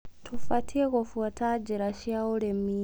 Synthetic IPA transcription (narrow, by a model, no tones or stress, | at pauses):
tʰufatʰiekofuatʰad͡ʒiɾaʃiauɾemi